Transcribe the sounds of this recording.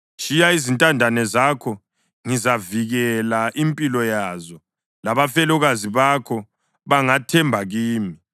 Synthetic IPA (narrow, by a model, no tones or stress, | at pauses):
ʃijaizintʼandʱanɛzakʰɔ | ŋizaviɣɛlaʔimpʼilɔjazɔ | laβafɛlɔɣaziβakʰɔ | βaŋatʰɛmbʱaɣiːmi